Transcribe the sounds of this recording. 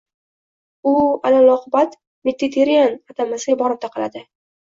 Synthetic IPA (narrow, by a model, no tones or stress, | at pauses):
ʊalalɒqʰʊbat̪ | mɪt̪ʰːit̪ʰeɾijanat̪ʰamasɪɡʲabɒɾɪp̚t̪ʰaqʰɨla̰d̪ɪ